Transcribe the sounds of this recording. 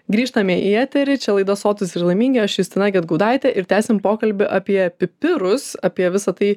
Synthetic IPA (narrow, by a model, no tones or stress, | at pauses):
ɡɾʲiːʃt̪ɐmʲeʔiɛt̪ʲɛɾʲɪt͡ʃʲɛlˠɐɪd̪ɐsoːt̪ʊsʲɪrlˠɐɪmʲiːŋʲɡʲɪɐʃjʊst̪ʲɪnɑːɡʲɛɐt̪ɡɐʊd̪ɑɪt̪ʲɛʔɪɾt̪ʲæːsʲɪmpoːkɐlʲbʲɪʔɑpʲiɛpʲɪpʲɪɾʊsɐpʲiɛʋʲɪsɐt̪ɐɪ